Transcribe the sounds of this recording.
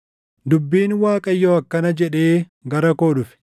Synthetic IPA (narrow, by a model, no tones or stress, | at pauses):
d̪ʊbːiːnwaːkʼɐjːoːɐkːɐnɐd͡ʒɛᶑe̞ː | ɡɐɾɐkoːᶑʊfɪ̥